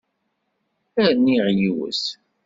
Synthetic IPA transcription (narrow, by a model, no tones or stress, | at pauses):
æɾniʁjiwə̰s